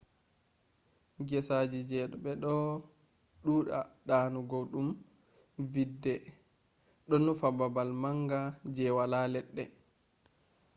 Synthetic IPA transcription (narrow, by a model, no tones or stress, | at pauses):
ɡɛsad͡ʒid͡ʒɛːɗɔɓɛɗɔ | ɗuːɗa̰ɗaːnuɡoɗum | vidːɛ | ɗɔnːufababalmaŋɡad͡ʒɛwalalɛɗːɛ